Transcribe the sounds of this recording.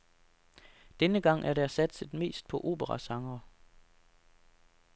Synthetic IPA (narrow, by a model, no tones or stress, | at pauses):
d̥enəɡ̥ɑ̈ŋ̰ʔæɐɾæɐsæd̥səð̥ˠme̝̰ːsd̥̚pʰɒ̽ʔo̝̰ːb̥əʁɑsɑ̈ŋɐ